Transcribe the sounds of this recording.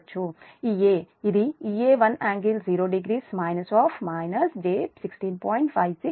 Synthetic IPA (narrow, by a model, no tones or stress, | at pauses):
t͡ʃʰuieːid̪iieːʋɐnaːŋɡilziːɾoːɖiɡɾiːsmaːjnɐsɔːpʰmaːjnɐsd͡ʒeːsiksʈiːnpɔːjiɳʈpʰajʋsi